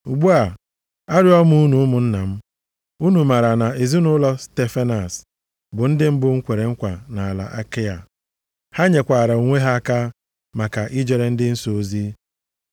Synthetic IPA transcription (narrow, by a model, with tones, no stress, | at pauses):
u˨ɡ͡bu˦a˨ | a˦ɾɪ˦ɔ˦mu˦nu˨˦mʊ˨n̩˦na˨m̩˦ | u˦nu˨ma˨ɾa˨na˨e˨zi˦nʊ˦lɔ˦ste˦fa˦na˨s | bʊ˨n̩˦dɪ˦m̩˦bʊ˦ŋ̩˦kʷe˨ɾe˨ŋ̩˦kʷa˨na˨a˨la̰˨ʔa˦ke˦ja̰˨ | ha˦ɲe˨kʷa˨ɾa˨u˨ŋʷe˦ɦa˦a˦ka˦ | ma˨ka˨ʔi˦d͡ʒe˨ɾe˨n̩˦dɪ˦n̩˦so˦zi˦